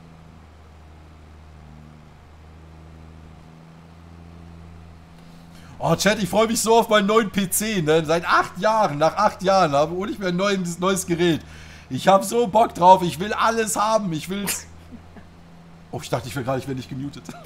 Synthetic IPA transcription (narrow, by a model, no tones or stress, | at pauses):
ʔɔːt͡ʃɛtɪçfʁ̥ɔʏəmɪçz̥oːaʊfmaɪnənɔʏənpʰeːt͡seːnənzaɪtʔaχtjaːʁənːaːχʔaχtjaːʁənhaːbəoːnɪçtmeːnːɔʏənsnɔʏəsɡ̥əʁɛːt | ʔɪçhaːbəzoːbɔk̚d̥ʁaʊfɪçv̥ɪlʔaləshaːbm̩ɪçv̥ɪls | ʔoχɪçd̥aχtəɪçv̥ɪlɡʁaːdəɪçveːɐdənɪçt̚ɡ̥əmjuːtət